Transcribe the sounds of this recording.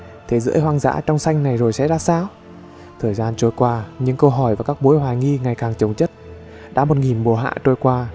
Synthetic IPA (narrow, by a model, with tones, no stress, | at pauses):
t̪ʰe˨˩zɨ̰˧˥˦jɦwaː˧ŋza̰ː˧˥t͡ɕɔ˧wŋ͡msa˧jŋ̟na˨˩jzo˨˩jsɛ̰˧˥zaː˧saː˧w | t̪ʰəː˨˩jzaː˧nt͡ɕo˧jkwaː˧ɲɨ̰˧˥ŋkə˧wɦɔ˧˩jvaː˨˩kaː˦˥k̚ɓu˨˦jɦwaː˨˩jŋi˧ŋa˨˩jkaː˨˩ŋt͡ɕə˨˩wŋ͡mt͡ɕə˦˥t̚ | ɗa̰˧˥mo˨˩t̚ŋi˨˩mɓo˨˩ɦa̰ː˧˨t͡ɕo˧jkwaː˧